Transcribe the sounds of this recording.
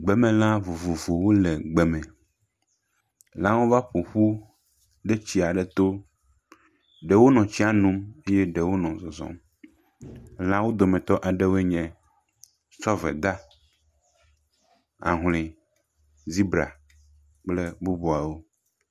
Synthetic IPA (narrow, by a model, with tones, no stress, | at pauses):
ɡ͡bɛ˨mɛ̃˨lã˦vu˨vu˨vo˨wo˦lɛ˨ɡ͡bɛ˨mɛ̃˨ | lã˦wo˦va˦ɸo˨ɸu˦ | ɖɛ˦t͡ɕi˦a˨ɖɛ˨t̪o˦ | ɖɛ˨wo˦nɔ̃˨t͡ɕi˦a˦nũ˦me˦jɛ˦ɖɛ˨wo˦nɔ̃˨zɔ˨zɔ̰̃˦m˦ | lã˦wo˦d̪o˨mɛ̃˨t̪ɔ˦ʔa˨ɖɛ˦wo˦ɛ˦ɲɛ̃˨ | t͡ʃɔ˦vɛ̰˨d̪a˦ | a̰˨ɦlĩ˨ | zi˦bɾa̰˨ | k͡plɛ˦bu˦bo˨a˨wo˦